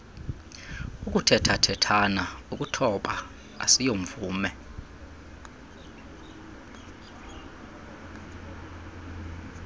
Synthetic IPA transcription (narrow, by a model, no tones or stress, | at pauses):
ukʼutʰɛtʰatʰɛtʰanaukʼutʰɔɓa̰ | a̰sijoɱvuːmɛ